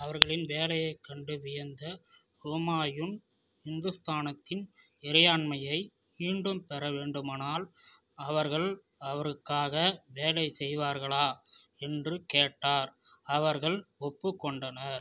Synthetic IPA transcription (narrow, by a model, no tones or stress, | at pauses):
ɐʋɐɾɣɐɭɪnʋeːlɐjɐɪkːɐɳɖɯʋɪjɐnd̪ɐ | soːmaːjɯn | hɪnd̪ɯst̪aːnɐt̪ːɪn | ɪɾɐjaːɳmɐjɐɪ | miːɳɖɯmpɛɾɐʋeːɳɖɯmaːnaːl | ɐʋɐɾɣɐɭ | ɐʋɐɾɯkːaːɣɐʋeːlɐɪsɛjʋaːɾɣɐɭaː | ɛndrɯkeːʈːaːɾɐʋɐɾɣɐɭɔpːɯkːɔɳɖɐnɐɾ